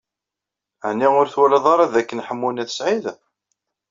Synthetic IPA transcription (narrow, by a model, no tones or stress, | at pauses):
əʕnːiʁʊɾθwælɑðˤɑɾˤɑðækːənħəmːunæθə̥sʕið